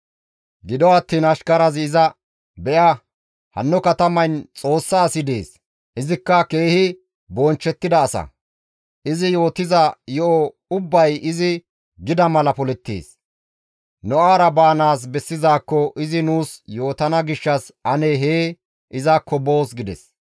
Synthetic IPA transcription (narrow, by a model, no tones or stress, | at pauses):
ɡɪd̪ɔɐt̪ːiːnɐʃkɐɾɐzɪzɐ | bɛʔɐ | hɐ̰nːɔkɐt̪ɐmɐjnt͡sʼo̞ːsːaːsɪd̪e̞ːs | ʔɪzɪkːɐke̞ːhɪ | bɔnt͡ʃːɛt̪ːɪd̪ɐːsɐ̰ | ʔɪzɪjo̞ːt̪ɪzɐjɔʔɔ | ʊbːɐjɪzɪ | ɡɪd̪ɐmɐlɐpɔlɛt̪ːḛːs | nɔʔaːɾɐbaːnaːs̬bɛsːɪzaːkːɔʔɪzɪnuːsjo̞ːt̪ɐnɐɡɪʃːɐsɐneːɦeː | ʔɪzɐkʰːɔbo̞ːsɡɪd̪ɛ̰s